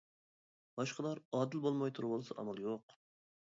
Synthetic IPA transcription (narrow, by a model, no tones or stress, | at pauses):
b̥ɑʃqəlˠɑɾɑːd̪ɪlbolˠmɑjt̪ʰuɾwʊlˠɨsɨʔɑ̰mɑlˠjoq